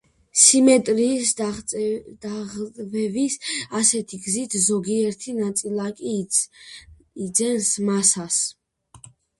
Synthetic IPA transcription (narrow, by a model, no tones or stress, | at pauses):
simɛt̪ʼɾis | d̪aʁʼvɛvisasɛt̪ʰiɡzit̪ʰzɔɡiɛɾt̪ʰinat̪sʼilˠakʼi | d̪zɛnsmasas